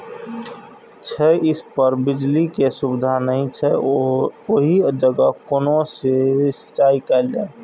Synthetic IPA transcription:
t͡ʃʰɛɪspəɾbɪd͡ʒlikesʊbɪd̪ʱanəɦĩt͡ʃʰɛ | oɦid͡ʒəɡəkoːnõsesə̥t͡ʃaːikɛld͡ʒaːe

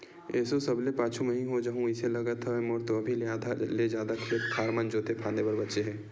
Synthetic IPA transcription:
ɛːsosɐblepaːt͡ʃʰumə̃ɦĩɦod͡ʒaːɦũɪselɐɡət̪ʰaɛ̃mɔːɾt̪oɐbʱileaːd̪ʱaled͡ʒjaːd̪akʰet̪ʰaːɾmənd͡ʒoːt̪ʰepʰãːnd̪ebɐɾbɐtːʃeɦɛ̃ː

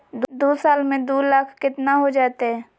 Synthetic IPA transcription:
d̪d̪oːsaːlmẽd̪oːlaːkʰkɪt̪naɦod͡ʒaːt̪eɦɛː

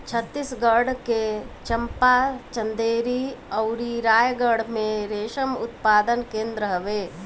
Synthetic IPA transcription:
t͡ʃʰət̪ːisɡəɽket͡ʃəmpat͡ʃə̃nd̪eːɾiɐʊɾiɾaːjɡəɽ̤mẽɾeːʃəmʊt̪paːd̪ənkẽːnd̪ɾəɦəʋeː

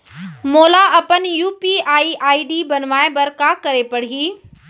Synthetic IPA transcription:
moːlaʔɐpənjuːpiaːiʔaːiɖiːbɐnʋaːẽbɐɾkakɐɾepɐɽ̤iiː

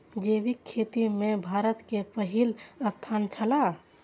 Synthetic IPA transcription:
d͡ʒeʋikʰːet̪imẽbʱaːɾət̪kepəɦiləst̪ʰant͡ʃʰəla

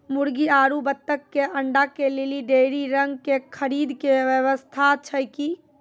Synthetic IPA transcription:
muɾɡiaɾubət̪ːəkːeʔəɳɖakeleliɖeɾiɾəŋɡkekʰəɾid̪keʋjəʋəst̪ʰat͡ʃʰəjki

